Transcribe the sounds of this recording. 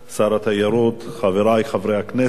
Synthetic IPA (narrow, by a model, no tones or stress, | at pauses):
saɾat̪hajaɾut̪χaveɾajχavɾejaknɛ